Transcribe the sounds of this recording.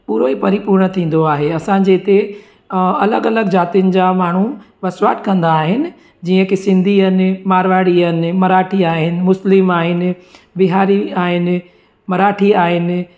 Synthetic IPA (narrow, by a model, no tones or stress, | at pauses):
puːɾoɦipɐɾipuːɾɳət̪ʰĩːn̆d̪oaːɦeɐsãd͡ʑeɪt̪e | ɐləɡɐləɡd͡ʑaːt̪ijənɪ̆d͡ʑamaːɳ̤u | ʋɐsʋaːʈʰkɐ̃nd̪aːɦɪnɪ̆ | d͡ʑiːə̃kisɪ̃nd̪ʱiənɪ̆maːɾʋaːɽiənɪ̆mɐɾaːʈʰiaːɦɪnɪ̆mʊslɪmaːɦɪnɪ̆ | biɦaːɾiaːɦɪnɪ̆ | mɐɾaːʈʰiaːɦɪnɪ̆